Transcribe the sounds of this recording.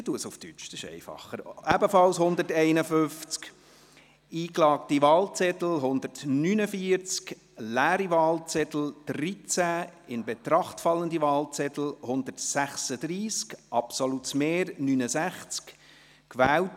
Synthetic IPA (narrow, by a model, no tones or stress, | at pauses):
ətuəsuftyt͡ʃsɪʃɛ̰ɪfɑ̰χːəɾæbəfɑlshʊnd̪ətɛɪnəfʏft͡sk | iːklɑːk̚tiʋɑːlt͡sɛtl̩ɦʊnd̪ərtnynəfiːəɾt͡sk | læːɾiʋɑːlt͡sɛtl̩d̥rit͡sæɪnbɛt̪ɾɑχtfɑlːəndiʋɑːlt͡sɛtl̩hʊnd̪ərtsæχsəd̥ɾiːskʔɑpsolutmeːɾnyːnəsæχt͡sk | kʋæːwt